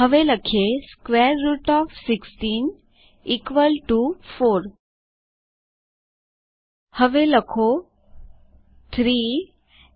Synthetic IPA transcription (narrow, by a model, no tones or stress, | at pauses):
ɦəʋeləkʰeskʋeɾːuʈɔfsiksʈiːn | ikʋəlʈufoɾ | həʋeləkʰo | t̪ʰɾiː